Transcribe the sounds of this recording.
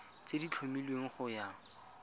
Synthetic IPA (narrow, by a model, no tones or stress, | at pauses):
t͡sedit͡ɬʰomilweŋ̩χʊja